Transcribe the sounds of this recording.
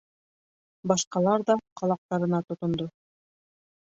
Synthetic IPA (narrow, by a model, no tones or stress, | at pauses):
bɑʃqɑlˠɑɾðɑqʰɑlˠɑq̚t̪ɑɾɤ̆nɑt̪ŏt̪ŏnd̪o